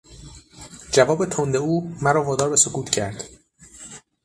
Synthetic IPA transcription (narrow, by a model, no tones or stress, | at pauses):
d͡ʒævɒːbe̞t̪ʰond̪euːmæɾɒːvɒːd̪ɒːɾbe̞sokʰuːt̪ʰcʰæɾd̪̥